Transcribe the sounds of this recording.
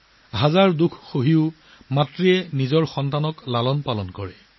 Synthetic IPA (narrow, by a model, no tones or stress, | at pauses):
ɦazaɹdukʰxoɦiʊ | matɹiɛnizɔɹxɔntanɔklalɔnpalɔnkɔɹɛ